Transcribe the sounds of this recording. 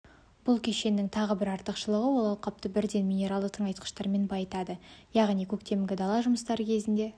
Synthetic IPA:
b̥ʊlˠkʲʰe̞ʃe̞nːɪŋt̪ʰɑʁəbɪɾɑɾt̪əqʃəlˠəʁəwo̞lˠɑwˠqɑp̚t̪əbɪɾd̪e̞nmʲinʲe̞ɾalˠd̪əqt̪ʰəɴɑjt̪̚qə̥ʃt̪ɑɾme̞nbɑjət̪ɑd̪əjɑʁnijkʲʰɵkt̪e̞mɡʲɪd̪ɑlˠɑʒʊməst̪ɑɾəkʲʰe̞zɪnd̪e̞

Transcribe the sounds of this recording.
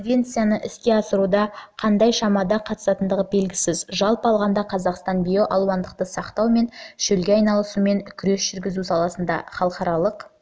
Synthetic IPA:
knvʲe̞nt̪sijanəʔɪskʲe̞ɑsəɾud̪ɑqʰɑnd̪ɑjʃɑmɑd̪ɑqʰɑt̪əsɑt̪ənd̪əʁəbe̞lɡʲɪsɪzʒɑlˠpəɑlˠʁɑnd̪ɑqʰɑzɑqst̪ɑnbʲijo̞ʔɑlˠwɑnd̪əq̚t̪əsɑqt̪ɑwme̞nʃɵlɡʲeɑjnɑlˠəsume̞nkʲʰʏɾe̞sʒ̥ʏɾɡʲɪzusɑlˠɑsənd̪ɑ̰χɑlˠəqɑɾɑlˠəq

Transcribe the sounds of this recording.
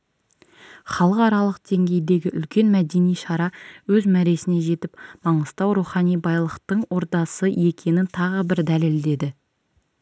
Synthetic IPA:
χɑlˠəqɑɾɑlˠəq̚d̪̥e̞ŋɡʲe̞jd̪e̞ɡʲɪʔʏlkʲe̞nmæd̪e̞nijʃɑɾɑwɵzmæɾe̞sɪne̞ʒe̞t̪ɪpmɑɴəst̪ɑwɾuχɑnijbɑjlˠəqt̪əɴwo̞ɾt̪ɑsəje̞kʲʰe̞nɪnt̪ʰɑʁəbɪɾd̪æle̞ld̪e̞d̪ɪ

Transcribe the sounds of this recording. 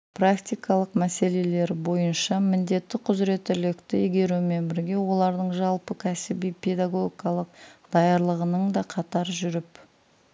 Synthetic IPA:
prakt̪ʲijkɑlˠəqmæse̞le̞le̞ɾbo̞jənʃɑmɪnd̪e̞t̪ːɪqʰʊzɾe̞t̪ɪlɪkt̪ɪeɡʲe̞ɾume̞nbɪɾɡʲe̞wo̞lˠɑɾd̪əɴʒɑlˠpəkʲʰæsɪbijpʰe̞d̪aɡo̞ɡʲikɑlˠəq̚d̪̥ɑjɑɾlˠəʁənəɴd̪ɑqʰɑt̪ɑɾʒʏɾɪp

